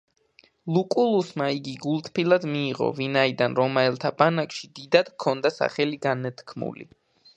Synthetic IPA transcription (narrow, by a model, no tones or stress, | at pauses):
lˠukʼulˠusmaiɡiɡulˠt̪ʰpʰilˠad̪miːʁɔ̰vinaid̪anɾɔmaɛlˠt̪ʰabanakʃid̪id̪ad̪̥kʰɔnd̪asa̰χɛliɡanɛt̪kʰmṵlḭ